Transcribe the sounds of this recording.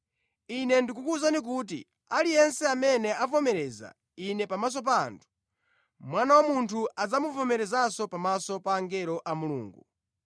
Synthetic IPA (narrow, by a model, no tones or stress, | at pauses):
inɛndikukuzanik̬ut̬ḭ | alijɛnsɛamɛnɛʔavɔmɛɾɛza̰ | inɛpamas̬ɔp̬a̰ːntʰu̥ | mwanawamuntʰuad͡zamuvɔmɛɾɛzasɔpamasɔpaːŋɡɛɾɔʔamulṵːŋɡu